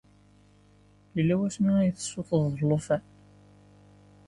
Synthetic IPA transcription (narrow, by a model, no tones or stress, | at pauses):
jəlːæwæsmiæjəθə̥sːoθˤəðˤlofæ